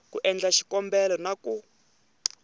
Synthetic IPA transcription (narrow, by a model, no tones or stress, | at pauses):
kuʔɛnd͡ɮaʃi̥kɔmbɛlɔnaku